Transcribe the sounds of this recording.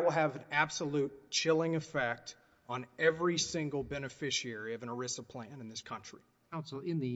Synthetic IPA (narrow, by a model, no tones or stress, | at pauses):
wəlˠɨvɨ̃næb̥səlutt͡ʃʰɪlˠɪ̃ŋɨfɛk̚t | n̩ɛvɹisɪ̃ŋɡl̩ˠbɛnɨfɪʃiɛɹiʌvɨ̃nə˞ɪsəpʰl̥æ̃nɨ̃nðɪskʰʌ̃nt͡ʃɹ̥i | asoɪ̃nðɨ